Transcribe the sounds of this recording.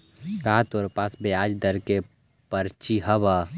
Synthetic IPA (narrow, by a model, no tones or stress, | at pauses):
kaɦt̪oɾpaːsbejaːd͡ʒd̪əɾke | pəɾt͡ʃiɦɐba